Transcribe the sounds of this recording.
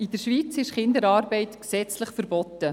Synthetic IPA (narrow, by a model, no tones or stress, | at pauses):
ɪd̥̪əɾʃʋiːt͡sɪʃχɪnd̪əɾɑːrbɛɪtksɛt͡sləχfəɾbɔt̪ːə